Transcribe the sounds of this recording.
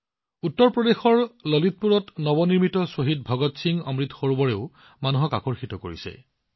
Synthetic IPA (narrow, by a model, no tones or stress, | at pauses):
utːɔɹpɹɔdexɔɹlɔlit̚puɹɔtnɔbɔniɹmitɔsoɦid̚bʱɔɡɔtsiŋɔmɹitxoɹubɔɹeʊ | manuɦɔka̰kɔɹxitɔko̰ɹḭsɛ̰